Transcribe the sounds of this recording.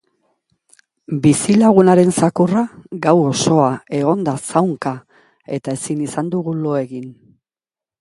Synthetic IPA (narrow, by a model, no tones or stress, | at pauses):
bisilaɣ̞unaɾe̞nsakuraɡawo̞so̞ae̞ɣ̞o̞nd̪asawŋka | e̞t̪ae̞sinisand̪uɣulo̞e̞ɣin